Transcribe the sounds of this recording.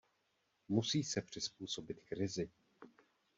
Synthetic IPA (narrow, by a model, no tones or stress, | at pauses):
musiːsɛpr̝̥ɪspuːso̞bɪt̪kɾɪzɪ